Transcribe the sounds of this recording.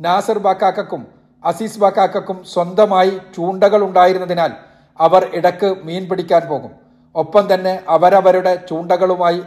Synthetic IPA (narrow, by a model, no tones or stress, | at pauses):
naːsɐrbaːkːaːkːɐkːum | ɐsiːsbaːkːaːkːɐkːumswɐnd̪ɐmaːjit͡ɕuːɳɖɐɣɐɭuɳɖaːjiɾunːɐðinaːl | ɐʋɐriɽɐkːɨmiːnpiɽikʲːaːnpo̞ːɣum | o̞pːɐmt̪ɐnːe̞ʔɐʋɐɾɐʋɐɾuɽe̞t͡ɕuːɳɖɐɣɐɭumaːji